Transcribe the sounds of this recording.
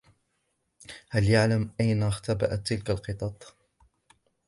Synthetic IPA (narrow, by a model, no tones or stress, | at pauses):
haljaʕlamʔajnaxt̪aba̰ʔat̪ːɪlkalqɨt̪ˤɑt̪ˤ